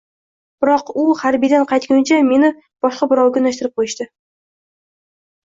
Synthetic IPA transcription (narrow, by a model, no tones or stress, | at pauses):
b̥ɪɾɒqʊhaɾbijd̪anqʰɑjt̪̚kʲʊnt͡ʃʰame̞nɪ | b̥ɒʃqɑbɪɾɒwɡʲaʊnaʃt̪ɪɾɪp̚qʰojɪʃt̪ɪ